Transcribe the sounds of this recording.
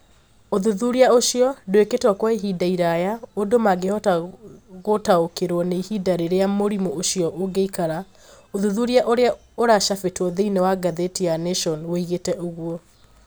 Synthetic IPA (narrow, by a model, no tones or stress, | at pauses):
oðuðuɾiaoʃiɔdoeketwɔkwaiɦidaiɾajaodomaɡehɔtaɣotaokeɾwɔneihidaɾeɾeamoɾimooʃiɔʔoɡeikaɾa | oðuðuɾiaʔoɾea | oɾaʃafetwɔðeinɛwaɡaðetianeʃɔnwoiɣetɛʔoɣwɔ